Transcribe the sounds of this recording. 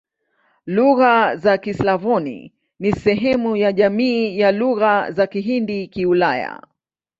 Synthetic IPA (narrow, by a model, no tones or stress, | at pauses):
luɣazakislavɔnḭ | nisɛɦɛmujaʄamiːjaluɣazakiɦindikiulaja̰